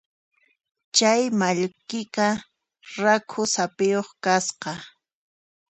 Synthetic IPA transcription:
t͡ʃajmaʎkɪka | ɾakʰʊsapɪjoχkasqɑ

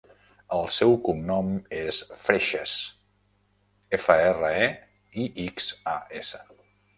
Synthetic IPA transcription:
əlˠsɛwkumnɔmesfɾeʃəs | efəerəe | iʔiksa̰esə

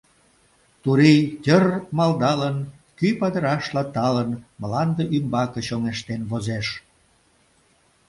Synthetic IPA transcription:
t̪uɾitʲərmɑld̪ɑlən | kypɑd̪əɾɑʃlɑt̪ɑlənməlɑnd̪eʔymbɑkəɕoŋeʃt̪enβozeʃ

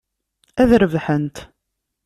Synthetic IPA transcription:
æðɾəvħənt̪

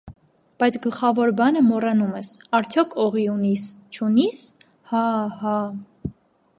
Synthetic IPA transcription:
b̥ɑjt͡sʰɡəlχɑvɔɾbɑnəmɔrɑnumɛsɑɾt͡sʰjɔkʰɔʁiunist͡ʃʰunis | hɑhɑ

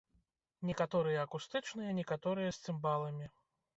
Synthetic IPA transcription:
nʲɛkat̪ɔɾɨjɐːkust̪ɨt͡ʂnɨjɐnʲɛkat̪ɔɾɨjɐsʲt̪sɨmbalˠɐmʲi

